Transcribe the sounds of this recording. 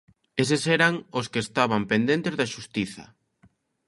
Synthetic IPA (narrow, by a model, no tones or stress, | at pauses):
esesɛɾaŋoskɪːst̪aβampend̪ẽnt̪ezðɐʃust̪iθɐ̰